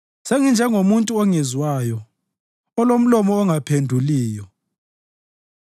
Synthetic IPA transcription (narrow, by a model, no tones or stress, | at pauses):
seŋind͡ʒʱɛŋomuntʼuɔŋɛzwajɔ | ɔlom̩lɔmɔːŋapʰendʱuliːjɔ